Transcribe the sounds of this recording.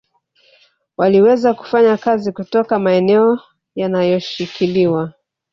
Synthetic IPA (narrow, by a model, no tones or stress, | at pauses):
waliwɛzaku̥faɲakazikutɔkamaɛnɛɔ | janajɔʃikʰiliwa